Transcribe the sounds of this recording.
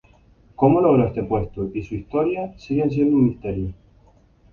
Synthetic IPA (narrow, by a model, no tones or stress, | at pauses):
ko̞moloɣɾoest̪epwe̞st̪oisuist̪o̞ɾjasiɣens̬je̞nd̪umist̪e̞ɾjo